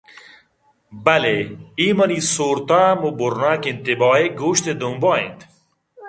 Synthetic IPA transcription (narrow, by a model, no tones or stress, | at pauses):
bɐleimɐnisoːɾt̪amuboɾnaːkint̪ebɔːeɡuːɕt̪ed̪umbɔːḭnt̪